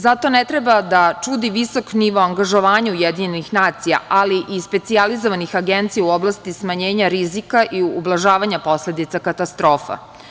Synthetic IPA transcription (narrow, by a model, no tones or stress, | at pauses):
zat̪o̞net̪ɾebad̪at͡ʃud̪iʋiso̞kniʋoaŋɡaʒo̞ʋaːɲaujed̪iɲenixnaːt̪sija̰ʔaliʔispe̞t̪sializoʋanixaɡent̪sijauoblˠast̪ismaɲeːɲaɾizikaʔiublˠaʒaːʋaɲapo̞sle̞d̪it̪sakat̪ast̪ɾoːfa̰